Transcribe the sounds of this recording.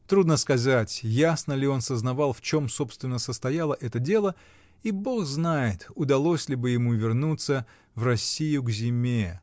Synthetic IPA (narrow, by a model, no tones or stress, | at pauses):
t̪ɾud̪nəskɐzatʲjasnəlʲɪo̞nsəznɐvɑlˠft͡ɕo̞mso̞pst̪vʲɪnːəsəst̪ɐjalˠəʔɛt̪ədʲe̞lˠə | ibo̞xznajɪt̪ʊd̪ɐlˠo̞sʲlʲɪbɨjɪmuvʲɪrnut̪sə | vrɐsʲːijʊɡzʲɪmʲe